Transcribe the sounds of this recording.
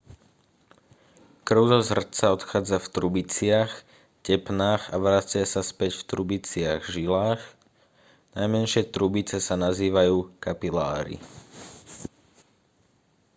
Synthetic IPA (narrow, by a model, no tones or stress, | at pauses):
kr̩ʊzɔzr̩t͡saɔt̪xaːd͡zaft̪ɾubit͡sɪax | cɛpnaːxaʋɾat͡sɪasaspɛcft̪ɾubit͡sɪaɣʒilaːx | najmɛnʃɪɛt̪ɾubit͡sɛsanaziːʋajuːkapilaːɾḭ